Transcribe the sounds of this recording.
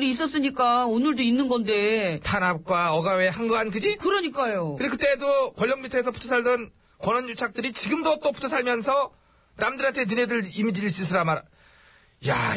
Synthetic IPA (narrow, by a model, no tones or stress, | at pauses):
ɾiːs͈ʌs͈ɯɲik͈aonɯɭdoinːɯnɡʌnde̞tʰanap̚k͈waʌɡawehaŋɡɯankɯd͡ʑikɯɾʌɲik͈ajoɯdekɯt͈e̞dokwʌʎːʌŋmitʰesʰʌpʰu̥tʰosʰaɭdɯn | kwʌnʌnjot͡ɕʰak̚t͈ɯɾit͡ɕiɡɯmdot͈opʰu̥tʰosʰaɭmjʌnsʰʌ | namdɯɾantʰe̞nɯnedɯɾimid͡ʑiɭɕ͈isʰɯɾamaɾ | ja